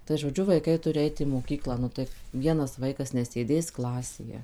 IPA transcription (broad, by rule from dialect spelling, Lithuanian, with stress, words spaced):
tɐɪ ʒoːˈd͡ʒʲʊ ʋɐɪˈkɐɪ ˈtʊrʲɪ ˈɐɪt iː moːˈkʲiːklˠɑː ˈnʊ tɐɪ ˈʋʲiɛnɐs ˈʋɐɪkɐs nʲɛsʲeːˈdʲeːs ˈklˠɑːsʲeːjɛ